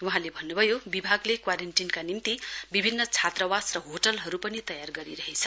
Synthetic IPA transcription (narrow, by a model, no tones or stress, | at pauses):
wuɦãlebʱʌnːubʱʌjobibʱaɡlekwaɾenʈinkanimt̪ibibʱinːʌt͡sʰat̪rʌwasrʌɦoʈʌlɦʌɾupʌnit̪ʌjarɡʌɾiɾʌɦet͡sʰʌ